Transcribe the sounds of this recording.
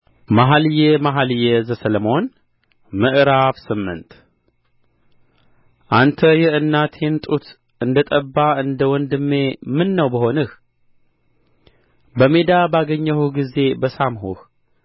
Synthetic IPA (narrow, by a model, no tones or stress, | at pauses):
maɦaljemaɦaljɛzəsələmo̞n | mɨʔɾafsɨmːɨ̰nt̪ | ʔant̪ʰəjɪhɨnːat̪ʰe̞nt̪ʼut̪ | ɨnd̪ət̪ʼəbːaɨnd̪əwɔnd̪ɨmːe̞mɨnːəwbəɦo̞nɨh | bəmed̪abaɡəɲːəhuɡize̞bəsamɦuh